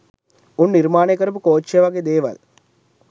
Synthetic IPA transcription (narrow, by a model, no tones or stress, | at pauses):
unːiɾmaːnekːɐɾup̬ukoːt͡ʃjɐʋɐɡed̪eːʋɐ̰l